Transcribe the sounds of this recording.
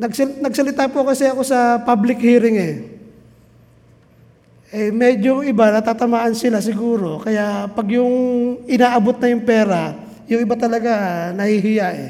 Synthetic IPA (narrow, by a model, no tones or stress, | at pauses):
nɐɡsɐnɐɡsɐlɪt̪aːpʊɐkɐsɛɐko̞sɐpablɪkhiːɾɪŋɛ | ʔɛmɛːd͡ʒoɪbanɐt̪aːt̪ɐmaːʔɐnsɪlas̬ɪɡuːɾo̞kɐjaʔpɐɡjʊŋɪnaːʔɐbot̪̚nɐjʊŋpɛːɾa | jʊŋɪbat̪ɐlɐɡanɐhiɦɪjaʔɛ̰